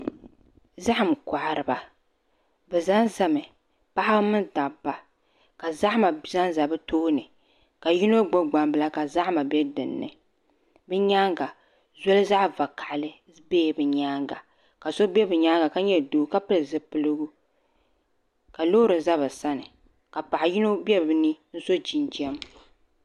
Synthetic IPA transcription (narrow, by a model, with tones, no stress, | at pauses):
za˦ha˨m˨ka˨ʔɾɨ˨ba˨ | bɛ˨za˦nza˦mɨ˨ | pa˦ha˦bmɨ˦nda˨bːa˨ | ka˨za˦ʔma˨za˦nza˨bɨ˦toː˦nɨ˨ | ka˨ji˦no˦ɡ͡bo˦ɡ͡ba˨mbɨ˦la˦ka˨za˦ʔma˨bɛ˦dɨ˨nːɨ̰˨ | bɨ˦ɲa˦ŋɡa˨ | zɔ˦lɨ˦za˦ʔva˨kʰa˨ʔlɨ˦ | beː˦˨bɨ˨ɲaː˦ŋɡa˨ | ka˨so˦bɛ˦bɨ˨ɲaː˦ŋɡa˨ka˦ɲɛ˦˨doː˨˦ka˦pɨ˦lɨ˨zɨ˨pɨ˨lɨ˦ɡu˦ | ka˨lo˦ɾɨ˨za˦βa˨sa˦nɨ˨ | ka˨pa˨ʔa˨ji˦no˦bjɛ˦bɨ˨nɨ˦n̩˦so˦d͡ʒi˨nd͡ʒi˦ɛ˦m